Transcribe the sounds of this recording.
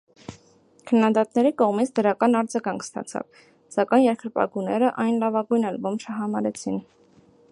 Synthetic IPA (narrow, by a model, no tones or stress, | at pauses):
kʰənːɑd̪ɑt̪nɛɾikɔʁmit͡sʰd̪əɾɑkɑnɑɾd͡zɑɡɑŋkʰst̪ɑ̰t͡sʰɑ̰v | sɑkɑjnjɛɾkʰəɾpɑ̰ɡunɛɾəʔɑjnlɑvɑɡujnɛlbɔmʃʰəɦɑmɑɾɛt͡sʰin